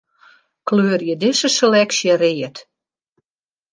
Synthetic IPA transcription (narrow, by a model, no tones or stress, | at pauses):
kløːrjədɪsəselɛksjərejət